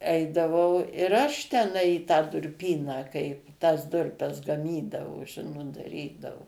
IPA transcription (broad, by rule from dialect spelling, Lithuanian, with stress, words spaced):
ˈɛɪdɐʋɐʊ ɪr ˈɐʃ tʲɛˈnɐɪ ɪ tɑː dʊrʲˈpʲiːnɑː kɐɪ tɐs ˈdʊrʲpʲɛs ɡɐˈmʲiːdɐʋoː ˈʒʲɪnoːt dɐˈrʲiːdɐʋʊ